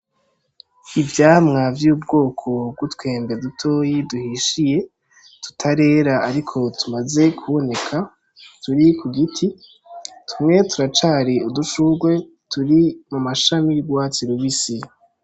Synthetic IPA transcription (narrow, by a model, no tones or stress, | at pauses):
ivjaːmŋavjuːb̚ɡo̞ːkʰo̞b̚ɡutwe̞ːmbedutʰo̞ːjiduhiʃije̞ | tu̥tʰaɾe̞ːɾaaɾikʰo̞tʰumaze̞kʰuβo̞ne̞kʰa | tuɾikʰuɡitʰi | tʰumŋe̞tuɾat͡ʃaːɾiuduʃuɡwe̞ | tuɾimumaʃamiɡwat͡ʃiɾuβisi